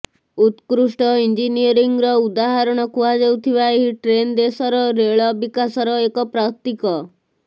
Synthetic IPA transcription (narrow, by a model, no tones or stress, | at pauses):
ut̪kɾuʂʈɔind͡ʒiniɔɾiŋɾɔud̪aɦaɾɔɽ̃ɔkuad͡ʒewt̪ʰibaeɦiʈɾend̪esɔɾɔɾeɭɔbikasɔɾɔekɔpɾak̚t̪ikɔ